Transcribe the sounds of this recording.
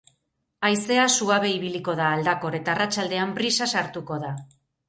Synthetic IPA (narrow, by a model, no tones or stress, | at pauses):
ajse̞asuaβe̞iβ̞iliko̞ð̞aːld̪ako̞ɾe̞t̪aːrat͡ʃald̪e̞ampɾisasaɾt̪uko̞ða